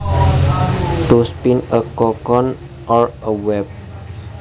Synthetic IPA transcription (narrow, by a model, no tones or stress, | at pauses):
t̪uspinəkɔkɔn | ʔɔrəwɛp̚